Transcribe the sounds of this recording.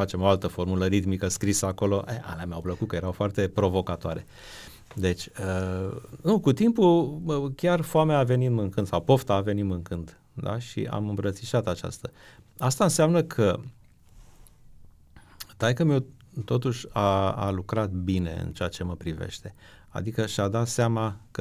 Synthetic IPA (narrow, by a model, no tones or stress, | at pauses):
fat͡ʃe̞mo̞alt̪əfo̞rmuləɾit̪mikəskɾisəako̞lo̞ʔea̰lamʲawpləkut̪̚kəje̞ɾawfoart̪e̞pɾo̞vo̞kat̪oaɾe̞ | d̪e̞t͡ʃʲə | nukut̪impukʲarfoameaːve̞nit̪mɨnkɨnd̪sawpo̞ft̪aːve̞nit̪mɨŋkɨnd̪ | d̪a̰ʃḭa̰mɨmbɾət̪siʃat̪at͡ʃa̰st̪əast̪aɨnseamnəkʰə | t̪ajkəmio | t̪o̞t̪uʃʲaa̰lukɾat̪bine̞̰ɨ̰nt͡ʃeat͡ʃe̞məpɾivḛʃt̪e̞ | a̰d̪ikəʃad̪at̪seamakə